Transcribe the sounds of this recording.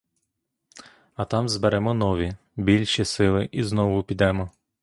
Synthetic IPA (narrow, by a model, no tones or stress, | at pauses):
ɐt̪ɑmzbeɾɛmɔnɔʋʲi | bʲilʲʃisɪlˠɪʔiznɔʋʊpʲid̪ɛmɔ